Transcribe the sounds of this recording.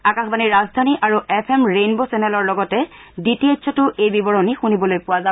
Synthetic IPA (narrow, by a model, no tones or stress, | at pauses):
akaxbaniɹazdʱaniʔaɹuɛpʰɛmɹenbosɛnɛlɔɹlɔɡɔtɛ | ditietsʰɔtʊʔejbibɔɹɔnixunibɔlojpʊwaza